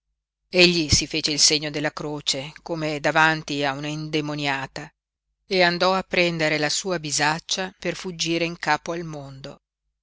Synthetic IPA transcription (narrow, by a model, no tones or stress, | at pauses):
eʎːisifeːt͡ʃeilseɲːod̪elːakɾoːt͡ʃekomed̪avant̪iaunaind̪emonjaːt̪a | eand̪ɔapːɾɛnd̪eɾelasuːabizat͡ʃːaperfud͡ʒːiːɾeiŋkaːpoalmond̪o